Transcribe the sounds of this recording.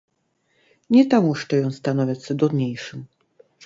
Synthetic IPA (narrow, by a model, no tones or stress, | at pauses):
ɲɛt̪amuʂt͡ʂɛjɔ̃w̃st̪anɔvʲat͡ɕʲsɛd̪ɔd̪ɲejʂɨm